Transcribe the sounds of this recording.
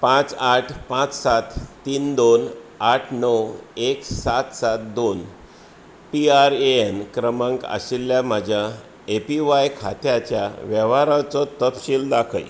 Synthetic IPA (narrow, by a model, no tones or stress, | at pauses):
pãt͡saʈʰpãt͡ssat̪ː | iːnd̪onaʈʰnəweksat̪sat̪̚d̪on | piaɾeenkɾəmãŋka̰ɕilːjam̤ad͡ʑʱja | epiʋajkʰat̪jat͡ɕjaʋjɛʋaɾat͡sɔt̪əpɕiːld̪akʰə̰j